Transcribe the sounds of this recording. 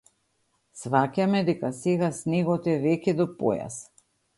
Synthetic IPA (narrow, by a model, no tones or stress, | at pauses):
svakʲamɛd̪ɛkasɛɡasnɛɡɔt̪ɛvɛkʲɛd̪ɔpo̰ja̰s